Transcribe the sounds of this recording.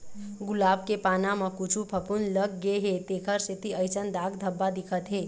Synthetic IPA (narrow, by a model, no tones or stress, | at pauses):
ɡulab̚kepanaməkut͡ʃʰupʰəpunləɡːeɦet̪ekʰəɾset̪iəɪt͡ʃənd̪aɡd̪ʱəbːad̪ikʰət̪ɦe